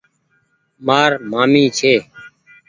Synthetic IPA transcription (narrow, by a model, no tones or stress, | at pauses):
maːɾmaːmiːt͡ʃʰeː